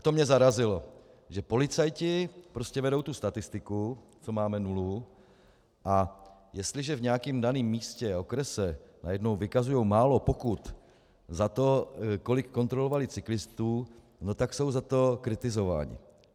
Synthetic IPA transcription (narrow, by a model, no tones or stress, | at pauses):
t̪omɲɛzaɾazɪlo | ʒɛpo̞lɪt͡sajcɪpɾoscɛvɛdo̞wt̪ust̪at̪ɪst̪ɪkut͡so̞maːmɛnulu | ʔajɛst̪lɪʒɛvɲɛakiːmdaniːmːiːscɛo̞kɾɛsɛna̰jɛdno̞wvɪkazujowmaːlo̞pokut̪ | zat̪o̞ko̞lɪkːo̞nt̪ɾolovalɪt͡sɪklɪst̪uː | no̞t̪akso̞wzat̪o̞kɾɪt̪ɪzo̞va̰ːɲɪ̰